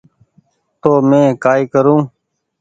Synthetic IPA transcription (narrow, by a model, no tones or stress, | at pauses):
t̪oːmẽːkaːiːkəɾũː